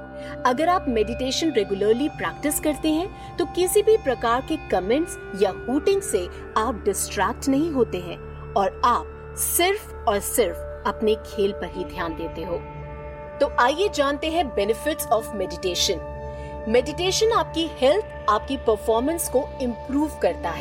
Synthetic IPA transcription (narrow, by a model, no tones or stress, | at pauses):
ɐɡəɾaːpmɛɖɪʈeːʃə̃nɾɛɡjʊləɾlipɾɛːk̚ʈɪskɐɾt̪eɦɛ̃ | t̪okɪsibʱipɾɐkaːɾkekɐmɛ̃ɳʈs | jahuːʈɪ̃ŋse | aːp̚ɖɪsʈɾɛːk̚ʈnɐɦĩɦoːt̪eɦɛ̃ː | ɔːɾaːp̚ | sɪɾf | ɔːɾsɪɾf | ɐpnekʰeːlpɐɾɦid̪ʱjaːnd̪eːt̪eɦoː | t̪oːʔaːjed͡ʒaːnt̪eɦɛ̃bɛnɪfɪʈsɔːfmɛɖɪʈeːʃə̃n | mɛɖɪʈeːʃənaːp̚kihɛlt̪ʰaːp̚kipəɾfɔːɾmə̃nskoɪ̃mpɾuːʋkɐɾt̪aɦɛː